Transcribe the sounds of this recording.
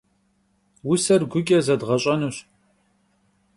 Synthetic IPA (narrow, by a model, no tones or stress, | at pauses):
wʊsɐrɡʷʊkʲʼɐzɐdʁɐɕʼɐnɨɕ